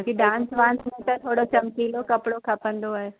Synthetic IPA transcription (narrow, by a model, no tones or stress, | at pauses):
kiɖãːnsʋãːnsmẽt̪ɐ̃t̪ʰoːɽot͡ʃɐmkiːlokɐpɽokʰɐpə̃nd̪oaːɦe